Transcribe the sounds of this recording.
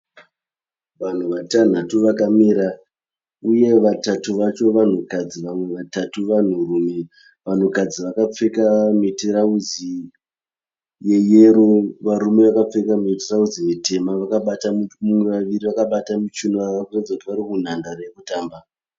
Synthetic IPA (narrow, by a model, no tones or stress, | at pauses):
ʋan̤uʋatan̤atuʋakamiɾa | uje̞ʋatatuʋat͡ʃo̞ʋan̤ukad͡ziʋamwe̞ʋatatuʋan̤urume̞ | ʋan̤ukad͡ziʋakap͡fe̞kameteɾaud͡zi | je̞je̞ɾoʋaɾume̞ʋakap͡fe̞kameteraud͡zijete̞maʋakaɓatamumumweʋaʋiriʋakaɓatamit͡ʃunoʋakkurad͡zakutiʋaɾikun̤andarajekutaːmba